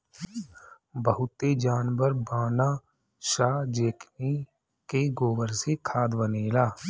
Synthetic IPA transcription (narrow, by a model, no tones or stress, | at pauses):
bəɦʊt̪ed͡ʒaːnʋəɾbaːnaː | ʃaːd͡ʒeːkʰni | keɡoːʋəɾsekʰaːd̪bəneːlaː